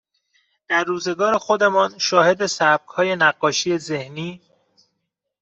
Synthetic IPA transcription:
d̪̥æɾːuːze̞ɡɒːɾe̞xod̪e̞mɒːnʃɒːhe̞d̪esæb̥̚khɒːje̞næɢːɒːʃijeze̞hniː

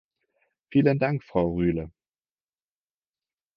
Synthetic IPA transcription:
fiːləndaŋkfʁ̥aʊʁyːlə

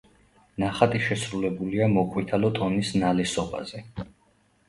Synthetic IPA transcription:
naχat̪ʼiʃɛsɾulɛbuliamɔqʼwit̪ʰalɔt̪ʼɔnisnalɛsɔba̰z̥ɛ

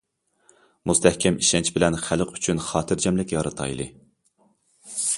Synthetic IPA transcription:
must̪ʰɛhkʲʰɛmiʃɛnt͡ʃʰbɪlɛnχæləqʰy̥t͡ʃʰynχɑːt̪ʰɨɾd͡ʒɛmlɪkʲjɑɾɨt̪ʰɑ̰jlˠɨ̰

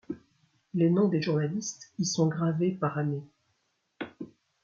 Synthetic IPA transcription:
lenɔ̃d̪eʒuʁnalist̪isɔ̃ɡʁavepaʁame

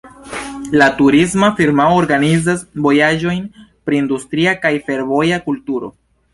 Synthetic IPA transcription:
latuɾismafiɾmaooɾɡanizasvo̞jad͡ʒo̞jnpɾiːndustɾiakajfe̞ɾvo̞jakultuɾo̞̰

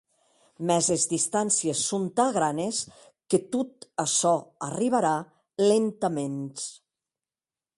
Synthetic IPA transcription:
mɛzezðist̪ansiesːont̪aɣɾanes | ket̪ut̪asɔariβ̞aɾa | lent̪əmens

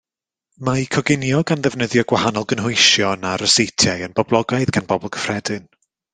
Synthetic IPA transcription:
maikʰɔɡɪnjɔɡanðɛvnəðjɔɡwahanɔlˠɡənɦʊɨʃjɔnaɾəsejtʰjajənb̥ɔblˠɔɡaɨðɡanbɔbɔlˠɡ̥ʰə̥fr̥ɛdɨn

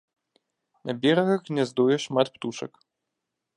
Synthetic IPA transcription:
nɐbʲɛɾɐɣɐxnʲɛzd̪ɔjɛʂmat̪pt̪uʂɐ̰k

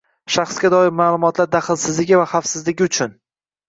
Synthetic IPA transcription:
ʃɑχsɡʲad̪ɒɪɾmaːlˠʊmɒt̪laɾd̪aχɪlˠsɪzlɪɡʲɪvaχafsɪzlɪɡʲɪʊt͡ʃʰʊn

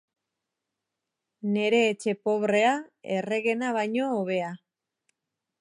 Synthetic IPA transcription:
ne̞ɾe̞ːt͡ʃe̞po̞βɾe̞ae̞re̞ɣe̞naβ̞ajɲo̞ːβ̞e̞a

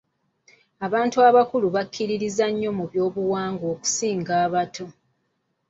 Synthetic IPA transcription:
aβaːntuaβakuluβakʰːiɾiɾizaɲːo̞muβjo̞ːβuwaːŋɡo̞ːku̥siːŋɡaːβatʰo̞

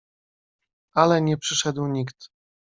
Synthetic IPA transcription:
alɛɲɛpʂɘʂɛd̪wɲikt̪

